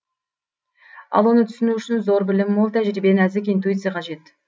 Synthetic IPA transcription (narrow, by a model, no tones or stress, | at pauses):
ɑ̰lˠwo̞nət̪ʰʏ̥sɪnuʏʃɪnzo̞ɾbɪlɪmwolˠt̪ʰæʒɾibenæzɪk̬ʲint̪̬ujit̪sɨjaqʰɑʒe̞t̪